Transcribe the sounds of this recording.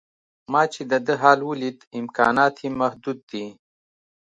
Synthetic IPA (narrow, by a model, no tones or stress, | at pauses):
mɑːt͡ʃed̪əd̪əɦɑːlwulit̪ɪmkɑ̰ːnɑːt̪ʰimɐhd̪ud̪̚ːi